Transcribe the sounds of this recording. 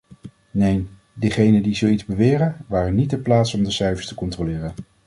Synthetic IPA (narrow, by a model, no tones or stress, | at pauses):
nejn | dəχejnəndizowidzbəʋɪːrənʋaːrənit̚dəplaːtsɔmdəsɛɥfəɹstəkɔntrolɪːrən